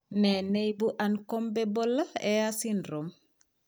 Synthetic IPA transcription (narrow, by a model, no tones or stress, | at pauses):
nenejbuʔankombebolːaeasindɾom